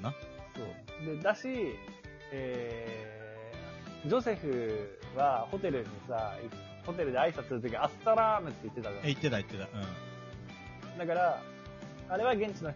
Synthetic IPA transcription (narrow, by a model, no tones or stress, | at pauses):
naso̞̰ːd̪e̞d̪aɕi | eː | d͡ʑo̞se̞ɸɯ̟βaho̞t̪e̞ɾɯ̟ɲ̟ːisai | ho̞t̪e̞ɾɯ̟d̪e̞aisat͡sɨsɨɾɯt̪okʲiiasɨ̥t̪aɾamɯ̟t̪ːe̞it̪ːe̞t̪azaeit̪ːe̞t̪ait̪ːe̞t̪aɯ̟̃ː | d̪akaɾaː | ɾe̞βaɡẽ̞ɲt͡ɕino